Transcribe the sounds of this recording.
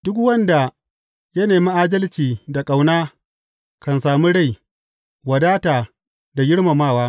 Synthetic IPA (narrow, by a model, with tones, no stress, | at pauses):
d̥ʊ˦kwɐ˦nda˨ | jɐ˦neː˨mi˦ʔaː˦dɐ˦lt͡ʃiː˨da˨kʼa˨wnaː˦ | kɐ˨nsaː˨mu˦ɽa˦˨j | wɐ˨daː˦taː˨ | da˨ɡɪ˦ɽma˨maː˦˨waː˦